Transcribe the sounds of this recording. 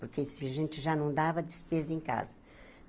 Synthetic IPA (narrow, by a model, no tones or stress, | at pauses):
poɾkesɪɐʒẽnt̪ɪʒanɐ̃w̃d̪avɐd̪ɪspezɐẽka̰zɐ